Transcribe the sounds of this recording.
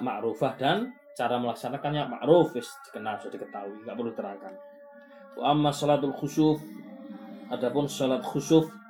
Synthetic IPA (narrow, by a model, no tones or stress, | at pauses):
maʔɾufahd̥an | t͡ʃaɾaməlaksanakanjama̰ʔɾʊfɪsd̪̥i̥kənalsod̥ikət̪aɦuiŋɡaʔpərluit̪əɾakan | wʔa̰ʔamːasɔlat̪alxusʊf | ʔadapʊnsɔlat̪xusʊf